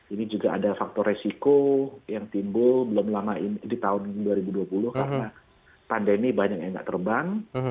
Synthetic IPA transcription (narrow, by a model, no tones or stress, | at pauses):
inid͡ʒuɡaadafak̚t̪ɔresikojaŋt̪imbʊlbəlʊmlamaindit̪aʊnduaɾibuduapulʊhkaɾəna | pandemibaɲak̚jaŋɡa̰ʔt̪ərbaŋ